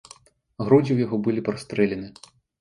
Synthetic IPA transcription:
ɦɾudʲiwjɔɦɔbɨlʲˠɪpɾɔst̪ɾɪlʲenɪ

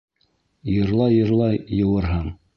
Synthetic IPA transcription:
jɤ̆ɾlˠɑjɤ̆ɾlˠɑjɤ̆wɤɾɦɤɴ

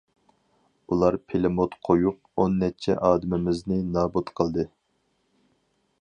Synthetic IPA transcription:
ulˠɑɾpʰelɪmot̪qʰojuq̚ | onːɛt͡ʃʰɛ̰ʔɑːd̪ɪmɪmɪznɪnɑːbut̪qʰəlˠd̪ɨ

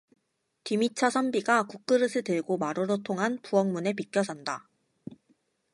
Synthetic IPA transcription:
timit͡ɕʰʌsʰʌmbiɡakuk̚k͈ɯɾɯsʰɯtɯɭɡomaɾoɾotʰoŋɦanpuʌŋmune̞pik͈jʌsʰʌnda

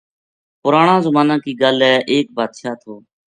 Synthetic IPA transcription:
pʊɾaːɳãːzəmaːnãːkiːɡalɛːʔeːk̚bʱaːd̪ʃaːt̪ʰoː

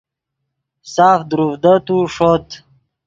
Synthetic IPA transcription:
saːfd̪ɾuvd̪ət̪uʂot̪

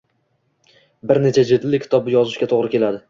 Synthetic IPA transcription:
bɪɾne̞t͡ʃʰad͡ʒet̪lɪkʲʰɪ̥t̪ʰɒbɪjɒzɪʃʲat̪ʰoʁɾɪkʲe̞lad̪ɪ

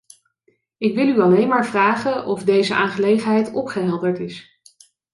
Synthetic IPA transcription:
ɪkʋɪlˠyɑlejnmaːɹvraːχənɔvdejzəʔaːnχəlejχənɦɛjtɔpχəɦɛlˠdəɹtɪs

